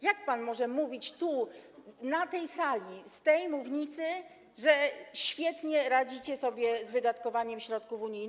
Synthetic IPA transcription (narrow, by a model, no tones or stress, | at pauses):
jak̚panmɔʐɛmuvʲit͡ɕt̪u | nat̪ɛjsalʲist̪ɛjmuvɲit̪sɘ | ʐɛɕfʲjɛt̪ɲɛɾad͡ʑit͡ɕɛsɔbʲjɛzvɘd̪at̪kɔvaɲɛmɕɾɔt̪̚kufuɲijn